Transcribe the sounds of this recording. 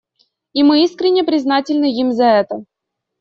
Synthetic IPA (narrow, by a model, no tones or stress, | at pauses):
imɨiskɾʲɪnʲːəpɾʲɪznatʲɪlʲnɨimzɐɛt̪ə